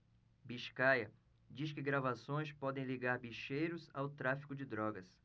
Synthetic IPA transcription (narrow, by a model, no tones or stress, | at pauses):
biʃkajɐ | d͡ʒiskɪɡɾavasõj̃spɔd̪ẽj̃liɡaɾbiʃejɾʊzawt̪ɾafi̥kʊd͡ʒɪd̪ɾɔɡɐs